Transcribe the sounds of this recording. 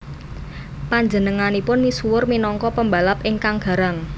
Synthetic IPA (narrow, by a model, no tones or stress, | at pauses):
paɲd͡ʒənəŋanipʊnmisuwʊrminɔŋkɔpəmbalapʔɪŋkaŋɡ̥a̤ɾaŋ